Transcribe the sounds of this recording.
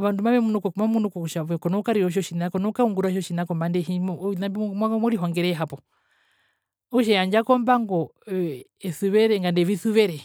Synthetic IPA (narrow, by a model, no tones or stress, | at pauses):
βandumaβɛmunukɔkumamunukɔuʃaβɛkɔnɔkaɾiɔʃ̬ɔʃinakɔnɔkauŋɡuɾaʃɔʃinakɔmbandɛɦimɔnambimwakamɔɾiɦwaŋɡɛɾɛɦapɔ | ɔʃɛjaɲd͡ʒakɔmbaŋɡɔ | ɛsuβɛɾɛŋɡandɛβisuβɛɾɛ